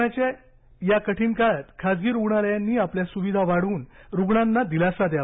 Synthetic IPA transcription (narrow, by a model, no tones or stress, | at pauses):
at͡ɕe | jakəʈʰinkat̪kʰad͡zɡiːɾuɡɳaljanːiːapljasuʋid̪ʱaʋaɽuːnɾuɡɳanːad̪ilasad̪ja